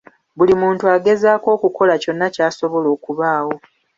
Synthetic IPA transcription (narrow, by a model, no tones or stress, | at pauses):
βulimuːntuaɡe̞zaːko̞ːkuko̞laco̞nːacaːso̞βo̞lo̞ːkuβaːwo̞